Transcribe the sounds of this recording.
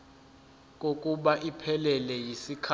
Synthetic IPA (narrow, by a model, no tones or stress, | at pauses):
k̬ʼokʼuɓaʔipʰɛlɛlɛjisikʰ